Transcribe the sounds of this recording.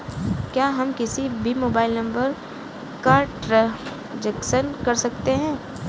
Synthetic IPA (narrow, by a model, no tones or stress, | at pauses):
kjaːɦɐmkɪsibʱimoːbaːɪlnɐ̃mbəɾ | kaːɾʈɾe | d͡ʒəkʃənkɐɾsɐkt̪eɦɛ̃ː